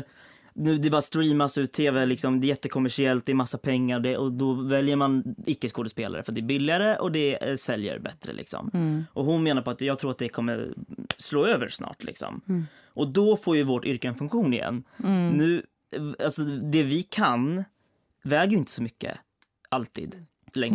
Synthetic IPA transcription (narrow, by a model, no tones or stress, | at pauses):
nʉ̟ːd̪ɛbɑːɾast̪ɾiːmasʉ̟ːt̪ʰːeːvɛlɪksɔmd̪ɛːɾjɛt̪ːəkʰʊmːæʂɪɛlt̪̚d̪ɛːɾmasːapʰɛŋːaɾɔd̪ɛʔɔd̪ɔvɛljəɾmanɪkːəskoːd̪əspeːlaɾəfœat̪̚d̪ɛbɪlːɪaɾəʔɔd̪ɛsɛljə̰ɾbɛ̰t̪ːɾə̰lʔɪ̰ksɔ̰mʔɔɦʊnmeːnaɾpɔat̪jɑːɡt̪ʰɾuːɾat̪̚d̪ɛkʰɔmːə̰ɾsloːøːvə̰ɾsnɑ̰ːʈlɪ̰ksɔ̰m | ʔɔd̪ɔfoːɾjɵvoʈʏɾkəɛnfɵŋkɧuːnɪjɛ̰nːnʉ̟ː | alsɔd̪ɛvɪkʰan | vɛːɡəɾjʏɪnt̪ə̥sɔmʏkːə̰ | ʔalt̪ʰḭːd̪ | lɛŋ